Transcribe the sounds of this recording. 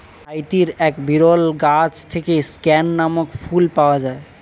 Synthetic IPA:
ajt̪iɾɛkbiɾɔlɡat͡ʃt̪ʰekeskɛnːamɔkpʰulpaoad͡ʑae

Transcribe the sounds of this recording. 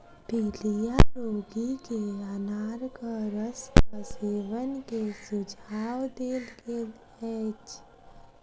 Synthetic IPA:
piːlijaɾoːɡikeənaːɾkaɾəspəseːʋənkesʊd͡ʒʱaːwd̪eːlkel | ɛːt͡ʃ

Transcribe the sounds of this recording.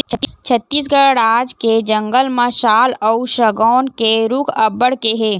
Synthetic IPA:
t͡ʃʰət̪ːiːs̬ɡəɽaːd͡ʒked͡ʒə̃ŋɡəlmə̃ʃaːlɔuʃɐɡɔːnkeɾʊkʰɐbəɽkeɦɛː

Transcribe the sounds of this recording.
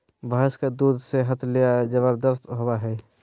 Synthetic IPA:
bəɦskad̪uːd̪ʱseɦət̪ʰlijad͡ʒəβəɾd̪əst̪ɦowaɦɛː

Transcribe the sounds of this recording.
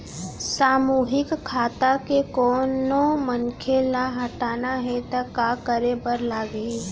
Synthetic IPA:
saːmuːɦɪkkʰːaːt̪akekɔːnomənkʰelaɦɐʈaːnaɦɛt̪akaːkəɾebəɾlaːɡiː

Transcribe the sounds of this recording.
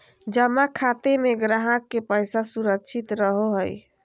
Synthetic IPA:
d͡ʒəmakʰat̪emeɡɾaɦəkːepəjsasuɾəkt͡ʃʰit̪ɾəɦoɦəj

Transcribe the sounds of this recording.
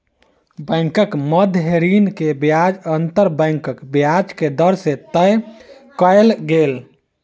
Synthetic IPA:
bə̃ɪŋkəkməd̪ʱɦeɾinkebjad͡ʒənt̪əɾbə̃ɪŋkəkbjad͡ʒked̪əɾset̪əj | kəelɡel

